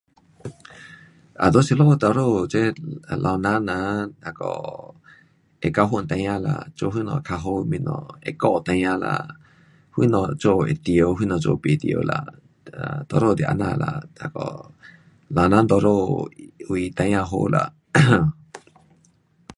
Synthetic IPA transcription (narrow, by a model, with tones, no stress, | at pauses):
a˨d̪o˦se˧lo˦ho˧t̪o˧ɾo˦˨t͡ʃe˦˨lʔa˧nã˦nã˧a˧ko̰˧˨ | e˧ka˧ɦu˦˧nt̪ã˧ɲã˧la̰˧t͡ʃo˧˦ɦwi˦nɔ̰̃˧˨˧kʰa˧ɦo˦mĩ˧nõ̰˧ḛ˧ko˦ʔt̪ã˧jã˧la̰˧ | hʷwḭ˦nɔ̃˧t͡ʃo˦˧e˧t̪i˧o˧ɦwi˦nɔ̃˧t͡ʃo̰˧pi˧˨t̪i˧o̰˧la̰˧˨ | t̪o˧ɾo˦˨d̪jʔa̰˧nã˧la˧a˧ko̰˨ | la˧nã˦nd̪o˧ɾo˦˨wi˧t̪ã˧ɲã˧ɦo˧˦˧la˧ʔ